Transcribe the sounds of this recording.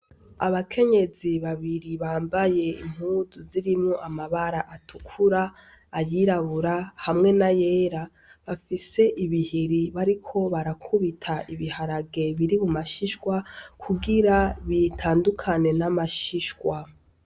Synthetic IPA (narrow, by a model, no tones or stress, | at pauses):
aβakʰe̞ɲe̞ziβaβiɾiβaːmbaje̞ḭm̥uzuziɾimŋoʔamaβaɾaʔatʰukʰuɾaː | jiɾaβuɾahamŋe̞naje̞ɾa | βafise̞ʔiβihiɾiβaɾikʰo̞βaɾakʰuβitʰaʔiβihaɾaɡe̞βiɾimumaʃiʃkwakʰuɡiɾaβitʰaːndukʰane̞namaʃiʃwa